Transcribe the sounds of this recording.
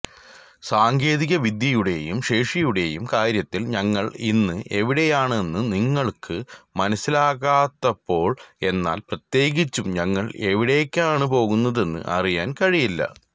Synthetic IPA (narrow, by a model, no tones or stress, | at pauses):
saːŋɡe̞ːðiɣɐʋid̪jɐjuɽe̞̰jumʂe̞ːʂijuɽe̞jumkaːɾjɐt̪ːilɲɐŋːɐɭinːɨʔe̞ʋiɽe̞jaːɳe̞nːɨniŋːɐɭkʰɨmɐnɐsːilaːɣaːt̪ːɐpːo̞ːɭe̞nːa̰ːlprɐt̪je̞ːɣit͡ɕːumɲɐŋːɐɭe̞ʋiɽe̞ːkʲːaːɳɨpo̞ːɣunːɐðe̞nːɨ̰ʔɐ̰rijaːnkɐɻijilːɐ̰